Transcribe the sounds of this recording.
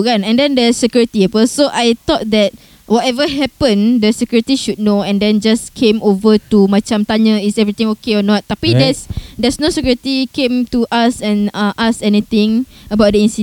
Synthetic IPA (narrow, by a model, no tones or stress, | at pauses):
kãnɛ̃ndɛ̃ndəsəkjuɹit̪iɛpəsoʔajt̪ɔt̚dɛt̚ | wɔtɛvəɦɛpə̃ndəsəkjuɹit̪iʃud̚noɛ̃ndɛ̃nd͡ʒaskʰẽmovətumãt͡ʃãmt̪aɲə̃isɛvɹit̪ɪ̃ŋokeɔnɔt̪̚ːapidɛsdɛsnosəkjuɹit̪ikẽmtuʔasɛ̃nãʔasɛnit̪ɪ̃ŋəbawt̚dəĩnsi